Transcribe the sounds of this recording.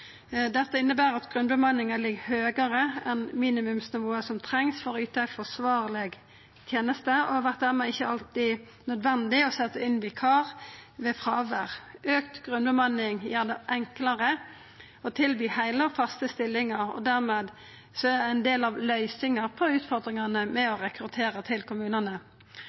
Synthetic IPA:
d̪ɛt̪ːəɪnːəbæːɾɑt̪ɡ̥ʁʉnbəmɑnːɪŋəlɪɡhøːɡəɾəɛnmiːnɪmʉmsnɪʋoːəsɔmt̪ʰʁɛŋsfɔɾɔʉːt̪əæfɔsʋɑːʁlɛɡ | t̪ʰjeːnəst̪əɔ̰hɑʋæʁt̪̚d̪æːʁmeɪçːəɑlt̪ɪ | nœd̪ʋɛnd̪ɪɔsɛt̪ːəɪnʋɪkʰɑːʁʋɛfʁɑːʋəʁʔøːkt̪ɡ̥ʁʉnbəmɑnɪŋjæːd̪əʔɛŋkləʁə | ɔt̪ʰɪlbyːhæɪləɔfɑst̪əst̪ɪlːɪŋɑʁɔ̰d̪æʁmeːd̪ | sɔæd̪ɛɪnd̪eːlɑʋlœʏsɪŋəʁpʰɔʉːt̪fɔʁd̪ʁɪŋɑnəmɛɔʁɛkɾʉt̪ʰeːɾət̪ʰɪlkʊmʉːnənə

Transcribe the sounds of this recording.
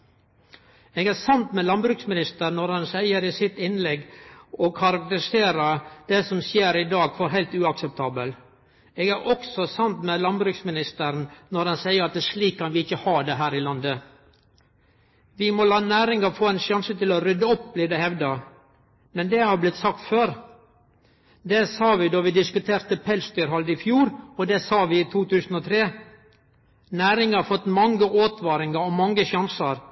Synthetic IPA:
eːɡæːsɑnt̪mɛlɑnbɾʉːksmɪnɪst̪əɾnɔɾhɑnsæɪəɾɪsɪt̪ɪnlɛɡɔkʰɑɾɑk̚t̪əɾɪseːɾəd̪̥ɛsɔmsjeːɾɪd̪ɑːɡfɔɾɦæɪlt̪ʉːɑksɛp̚t̪ʰɑːbəl | eːɡæɾʔɔksɔsɑnt̪mɛlɑnbɾʉksmɪnɪst̪əɾnnɔɾdɑnsæɪəɾɑt̪̚d̪æʂliːkʰːɑnʋɪɪçːəhɑːd̪ɛɦæːɾɪlɑnd̪ə | ʋɪmɔlɑːnæːɾɪŋɑfoːænʃjɑnsət̪ɪlɔɾʏd̪əɔp̚ːbliːd̪ɛhɛʋd̪ɑ | mɛnd̪ɛhɑblɪt̪sɑk̚t̪føːɾ | d̪ɛsɑːʋɪd̪oːʋɪd̪ɪskʉt̪ʰeːɾt̪əpʰɛlsd̪yːɾɦɑld̪əɪfjuːɾɔd̪ɛsɑːʋɪɪt̪ʰuːt̪ʉːsn̩ɔt̪ʰɾeː | næːɾɪŋəɑɾfɔt̪ːmɑŋɡəʔoːt̪ʰʋɑːɾɪŋɑɾɔmɑŋːəʃɑnsəɾ

